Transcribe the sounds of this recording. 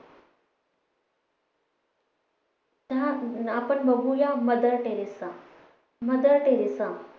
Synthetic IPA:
t̪ãapəɳməɡujaməd̪əɾʈeɾisa | məd̪əɾʈeɾesã

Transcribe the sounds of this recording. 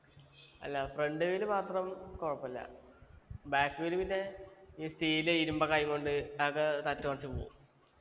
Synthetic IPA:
ɐ̰lːɐfreɳɖɨilmaːt̪rɐmkoɻɐpːɐlːɐ̰ | baːkːɨʋilupinːeiːst̪iːileiɾumbɐkajiŋkoɳɖɨɐkːɐt̪ɐtːumɐrɐt͡ɕːɨpo̰ːṵm

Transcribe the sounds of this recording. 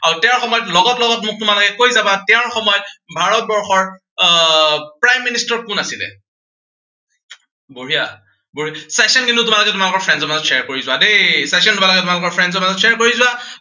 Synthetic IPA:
aɹutɛʊ̃ɹxɔmɔjɔtlɔɡɔtlɔɡɔtmʊk̚tʊmalɔkɛkojzabatɛʊ̃ɹxɔmɔjɔtbʱaɹɔt̚bɔɹxɔɹ | pɹajmːinistɔkʊnasilɛ̰ | buɹija | buɹiasasɔnkintʊtʊmalɔkɛtʊmalʊkɔɹpʰɹɛndzɔɹmazɔtseaɹkoɹizʊwadejsasɔndubalɔkɛtʊmalʊkɔɹpʰɹɛndzɔɹmazɔtseɛɹkoɹizʊa

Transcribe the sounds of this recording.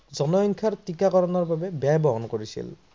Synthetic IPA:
zɔnɔjɔŋkʰaɾtikakɔɾɔnɔɹbabebajbɔɦɔnkoɹisḭl

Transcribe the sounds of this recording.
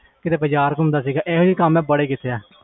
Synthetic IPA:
kɪt̪eːbəd͡ʒaːɾkʊmd̪aːsiːɡaːʔeːɦoːiːkəmɛ̃ːbəɽeːkɪt̪ʰːeːaː

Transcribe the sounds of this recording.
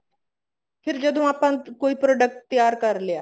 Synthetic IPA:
pʰɪɾd͡ʒəd̪ũaːpãːkoːiːpɾoːɖək̚ʈ̚t̪ːɪjaːɾkəɾljaː

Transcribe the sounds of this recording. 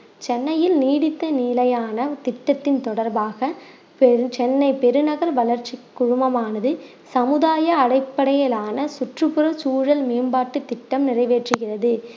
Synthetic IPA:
t͡ʃɛnːɐjɪlniːɽɪt̪ːɐniːlɐjaːnɐt̪ɪʈːɐt̪ːɪnt̪ɔɽɐɾbaːɣɐ | pɛt͡ʃɛnːɐɪpɛɾɯnɐɣɐɾʋɐlɐɾt͡ʃikːʊɻʊmɐmaːnɐðɯ | sɐmɯðaːjɐːɽɐɪpːɐɽɐjɐlaːnɐsʊʈrɯpɯɾɐt͡ʃuːɻɐlmeːmbaːʈːɯt̪ːɪʈːɐmnɪrɐɪʋeːʈrɯɣɪrɐðɯ

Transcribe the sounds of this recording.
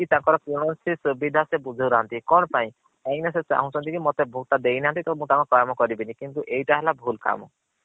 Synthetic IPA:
kit̪aŋkɔɾɔpɾuɽ̃ɔnsisəbid̪ʱasebud͡ʒʱəwɾaɦɔnt̪ikɔñpaĩ | aj̃neset͡ʃa̰ɦũt͡ʃʰɔnt̪ikimot̪ebʱuk̚t̪ad̪ejniɦant̪̬it̪ɔmũt̪aŋkɔkɔjamɔkɔɾibinikint̪uʔejʈaɦɛlabʱulka̰mɔ̰

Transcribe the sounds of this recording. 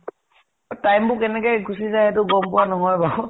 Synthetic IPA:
tajmbʊkɛnɛkɛjɡusizajɦɛtʊɡɔmpʊwanɔŋɔjba

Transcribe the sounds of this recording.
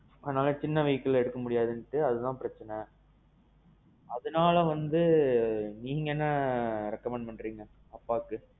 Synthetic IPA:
ɐðɐnaːlɐt͡ʃɪnːɐʋɐɪkːɐlɛɽɯkːɐmʊɽɪjaːðɯnʈːɯɐðɯt̪ãːpɪɾɐt͡ʃːɐnɐ | ɐðɯnaːlɐʋɐnd̪ɯ | niːŋɡɐɛnːɐɾɛkːɐmɛɳɖpɐɳɖɾiːŋɡɐ | ɐpːaːkːɯ

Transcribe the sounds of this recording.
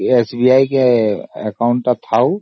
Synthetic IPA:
esbijaːikeɛkaʊ̃ɳʈt̪at̪ʰaːu

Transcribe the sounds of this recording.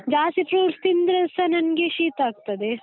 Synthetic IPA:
d͡ʒaːsipɾuːɾst̪ind̪ɾɐsɐnɐnɡeʃiːt̪aːɡ̚t̪ɐd̪e

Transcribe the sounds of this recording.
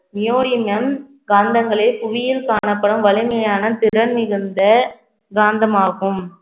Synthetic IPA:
nɪjoːɽɪmɐm | ɡaːnd̪ɐŋɡɐɭɐɪpʊʋɪjɪlkaːɳɐpːɐɽɐmʋɐlɪmɐjaːnɐt̪ɪɾɐnɪɾɯnd̪ɐ | ɡaːnd̪ɐmaːɣɯm

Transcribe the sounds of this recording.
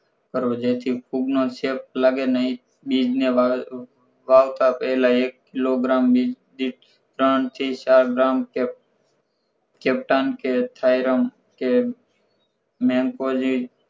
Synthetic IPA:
kəɾod͡ʒeːt̪ʰipʰuɡnõːseːp̚ləɡenəɦĩ | ɓiːd͡ʒnea | ʋaːwt̪aːpəɦlaːeːkːɪloːɡɾaːmbi | d̪iʈ | ɾəːnt̪ʰiːt͡ʃaːɾɡɾaːmkː | keːp̚ʈaːnkeːt̪ʰaːɪɾəm | ke | mẽːŋkoːd͡ʒi

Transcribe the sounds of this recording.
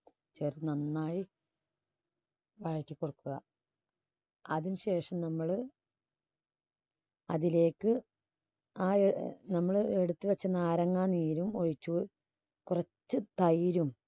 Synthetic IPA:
t͡ɕeːrɨnɐnːaːji | ʋɐɻɐkʲːikːoɽukːuɣɐ̰ | ɐðinɨɕe̞ːʂɐmnɐmːɐɭ | ɐðile̞ːkːɨ | aːenɐmːɐɭeɽut̪ːɨʋɐt͡ɕːɐnaːɾɐŋːaːniːɾumoɻit͡ɕːuː | kurɐt͡ɕːɨt̪ɐjɾum

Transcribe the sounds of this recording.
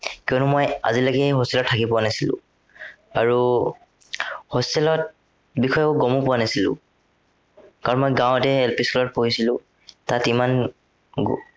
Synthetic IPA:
kiɔnʊmoja̰zilaɡɛɦosilɔtʰːakipʊwanasilʊ̰̃ | aɹu | hosɛlɔt̚ | bixʰɔjʊɡomʊpʊanasilʊ̰̃ | kaɹɔnmojɡãw̃ɛtɛːlpiskɔlɔt̚poɦisilʊ̃ | tatiman | ɡ

